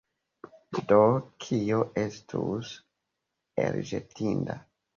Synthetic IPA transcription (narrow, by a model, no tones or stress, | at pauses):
dokʰioʔestʰus | ḛɾʒetinda